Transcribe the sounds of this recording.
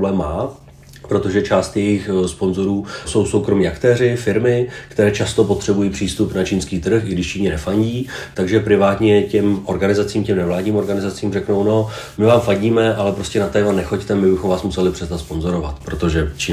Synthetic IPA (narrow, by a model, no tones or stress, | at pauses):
blɛːmːaː | pɾo̞t̪o̞ʒɛt͡ʃaːst̪jɛjɪxspo̞nzo̞ɾuːso̞wso̞wkɾo̞miːʔakt̪ɛːrɪfɪɾmɪkt̪ɛɾɛːt͡ʃast̪o̞po̞t̪r̝̥ɛbujiːpr̥iːst̪upnat͡ʃiːnskiːt̪r̩xɪɡdɪʃt͡ʃiːɲɛnɛfaɲɟiːt̪aɡʒɛpɾɪvaːt̪ɲɛcɛmʔo̞ɾɡanɪzat͡siːmcɛmnɛvlaːdɲiːmo̞ɾɡanɪzat͡siːmrɛkno̞wno̞ | mɪvaːmfaɟiːmɛʔalɛpɾo̞scɛnat̪ɛːmanɛxo̞ct̪ɛmɪbɪxo̞mvaːsmusɛlɪpr̝̥ɛznat̪spo̞nzo̞ɾo̞vat̪pɾo̞t̪o̞ʒɛt͡ʃiː